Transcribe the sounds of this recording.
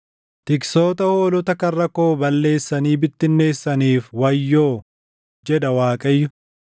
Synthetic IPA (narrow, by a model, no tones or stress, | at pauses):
t̪ɪkso̞ːt̪ɐhoːlɔt̪ɐkɐrːɐko̞ːbɐlːe̞ːsːɐniːbɪt̪ːɪnːe̞ːsːɐniːfwɐjːo̞ː | d͡ʒɛd̪ɐwaːkʼɐjːʊ